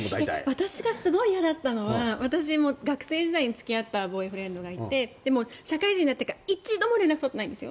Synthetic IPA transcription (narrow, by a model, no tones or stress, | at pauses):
mod̪aet̪a̰βat̪aɕiɡasɨɡo̞ijad̪at̪ːano̞βaβat̪aɕ̬imo̞ɡakɯ̟̥se̞ːd͡ʑid̪aiɲ̟it͡sɨ̥kʲiat̪ːabo̞iɸɯɾẽ̞nd̪o̞ɡait̪e̞d̪e̞mo̞ɕakaiʑĩɲ̟inat̪ːekait͡ɕid̪o̞moɾe̞nakɯ̟t̪ot̪ːnaĩnd̪sɨjo̰